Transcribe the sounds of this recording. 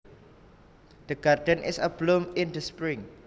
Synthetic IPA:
d̥əɡadə̃nʔɪ̰səblũmɪ̃ndəspɹĩŋ

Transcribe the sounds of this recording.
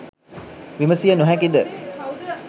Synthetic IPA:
ʋiməsijənuɦækid̪ə

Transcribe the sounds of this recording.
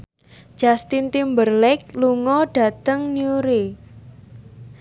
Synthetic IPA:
ʒ̥ast̪int̪imbərlɪk̚luŋɔɖ̥a̤t̪əŋnjuɾe

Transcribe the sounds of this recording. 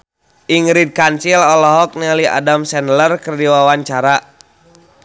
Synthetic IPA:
ʔiŋɾid̚kansilɔlɔɦɔk̚nɛliʔa̰damsɛnlərkərdiwawaɲt͡ʃaɾa

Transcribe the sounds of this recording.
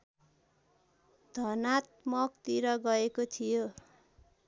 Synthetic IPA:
d̪̥ʱʌnat̪̚mʌk̚t̪iɾʌɡʌekot̪ʰijo

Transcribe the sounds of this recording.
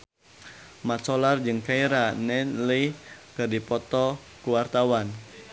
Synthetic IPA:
masɔlard͡ʒɨŋkaiɾanɛnlikɨrdipɔt̪ɔ | kuwart̪awan

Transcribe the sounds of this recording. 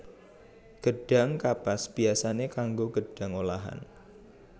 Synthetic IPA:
ɡ̥əɖ̥a̤ŋkapasb̥iasanekaŋɡoɡ̥əɖ̥a̤ŋolaɦa̰n

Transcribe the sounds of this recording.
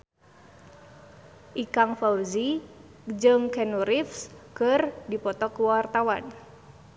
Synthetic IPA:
ʔikaŋfaurzi | d͡ʒɨŋkɛnuɾifskɨrdipɔt̪ɔkuwart̪awan

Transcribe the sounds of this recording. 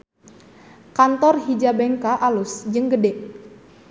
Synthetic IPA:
kant̪ɔrɦid͡ʒabɛŋkaʔalʊsd͡ʒɨŋɡədɛʔ

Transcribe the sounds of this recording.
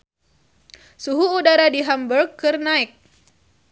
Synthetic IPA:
suɦuːdaɾadiɦambərɡɨrnaɪk̚

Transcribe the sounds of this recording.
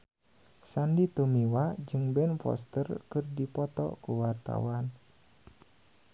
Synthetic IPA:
sandit̪umiwad͡ʒɨŋbɛnfɔ̰st̪ərkɨrdipɔt̪ɔ̰kuwart̪a̰wan

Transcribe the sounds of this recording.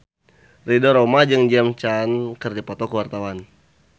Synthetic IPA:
ridɔɾomad͡ʒɨŋd͡ʒamt͡ʃankərdipɔt̪ɔkəwart̪awan

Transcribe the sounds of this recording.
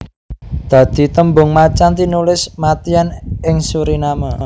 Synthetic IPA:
d̪̥ä̤d̪̥i̤t̪əmbʊŋmat͡ʃant̪inulɪsmat̪ianɪŋsuɾinama

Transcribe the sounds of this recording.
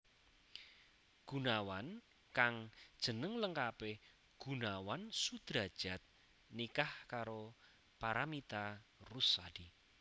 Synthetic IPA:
ɡ̥unawan | kaŋd̥ʒ̥ə̤nəŋləŋkape | ɡ̥unawansud̪̥ɾad̥ʒ̥a̤t̪̚ | nikahkaɾo | paɾamit̪arusadi

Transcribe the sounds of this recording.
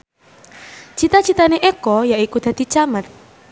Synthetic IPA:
t͡ʃit̪at͡ʃit̪aneʔɛkɔjaʔikud̪̥a̤t̪it͡ʃamət̪̚

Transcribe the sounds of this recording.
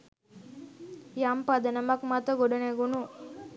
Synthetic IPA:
jampad̪ɐnɐmɐkmat̪əɡoɖɐneɡunu

